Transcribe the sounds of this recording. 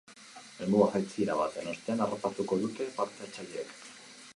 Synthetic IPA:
elmuɣaɣajt͡siɾaβat̪enost̪e̞anaropat̪uko̞ðut̪e̞paɾt̪e̞at͡saʎek

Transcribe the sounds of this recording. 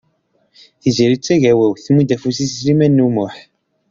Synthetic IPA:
θiziɾit͡sːæʝæwæwθmud̪æfusisɾimænːumʊħ

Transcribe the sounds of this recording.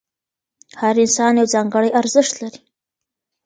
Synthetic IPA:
haɾɪnsɑnjawzɑŋɡəɽəjaɾzəʃt̪laɾi̥

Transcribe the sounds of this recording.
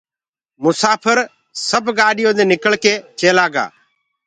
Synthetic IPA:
mʊsaːpʰəɾ | səbʱɡaːɗɪjõːd̪ẽːnɪkəɭkeːt͡ʃeːlaːɡa̰ː

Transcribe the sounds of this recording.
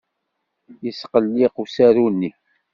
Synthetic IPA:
jəsqəlːiqusæɾunːi

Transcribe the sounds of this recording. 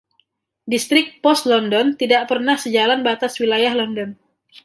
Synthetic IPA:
dist̪ɾɪk̚pɔst̪lɔndɔnt̪idaʔpərnahsəd͡ʒalanbat̪aswilajahlɔndɔn

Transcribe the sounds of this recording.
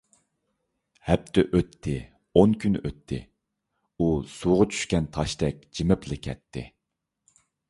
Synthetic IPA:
hɛp̚t̪ʰɪʔøt̪ʰːɪ | onkʲʰynøt̪ʰːɪ̰ | usuʁɑt͡ʃʰy̥ʃkʲɛnt̪ʰɑʃd̪ɛk̚ʲd͡ʒimɪplɪkʲʰɛt̪ʰːɪ̰

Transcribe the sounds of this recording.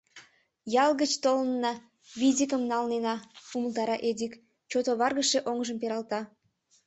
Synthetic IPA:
jɑlɣət͡ɕt̪olənːɑ | βidʲikəmnɑlnenɑuməlt̪ɑɾɑʔed̪ʲik | t͡ɕot̪oβɑrɣəʃeʔoŋʒəmpeɾɑlt̪ɑ

